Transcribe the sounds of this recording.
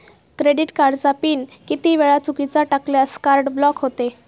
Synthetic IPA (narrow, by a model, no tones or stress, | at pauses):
kɾeɽiʈkaɾɖd͡zapiːnkit̪iʋeɭat͡sukit͡saʈakljaskaɾɖblɔkɦot̪e